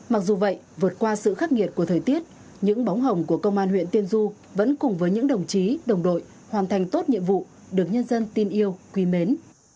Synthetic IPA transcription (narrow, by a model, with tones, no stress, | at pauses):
ma˨˩k̚zu˨˩və̰˧˨j | vɨ˨˩ət̚kwaː˧sɨ̰˧˨xaː˦˥k̚ŋi˨˩ət̚ku˧˩ət̪ʰəː˨˩jt̪i˦˥ət̚ | ɲɨ̰˧˥ŋɓa˨˦wŋ͡mɦə˨˩wŋ͡mku˧˩əkə˧wŋ͡mʔaː˧nhwḭ˧˨ənt̪i˧ənzu˧ | və̰˧˥nkʊ˨˩ŋ͡mvəː˨˦jɲɨ̰˧˥ŋɗə˨˩wŋ͡mt͡ɕi˨˦ɗə˨˩wŋ͡mɗo̰˧˨j | hwaː˨˩nt̪ʰa˨˩jŋt̪o˦˥t̚ɲḭ˧˨əmvṵ˧˨ | ɗɨ˨˩ək̚ɲə˧nzə˧nt̪i˧nʔi˧əwkwi˨˦me˨˦n